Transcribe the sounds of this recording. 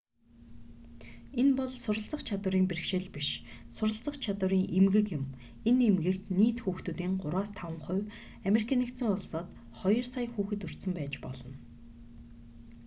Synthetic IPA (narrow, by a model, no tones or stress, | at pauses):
enpɔɮsʊɾə̆ɬt͡sə̆χt͡ɕʰat̪wə̆ɾiːmperkʃeːɮpiʃsʊɾə̆ɬt͡sə̆χt͡ɕʰat̪wə̆ɾiːŋʔemɣɘ̆kjʊ̆m | enemɣɘ̆kt̪niːt̪xuːxt̪uːt̪iːɴɢʊɾwaːst̪ʰawə̆ɴχʊ̟w | ameɾikʰaːnikt̪sɘ̆ŋʊɮsɔːt̪ | χɔjɞ̆rsajxuːxɘ̆t̪ɵr̥t̪sɵ̆mpæːt͡ɕpɔ̰ɮɞ̆n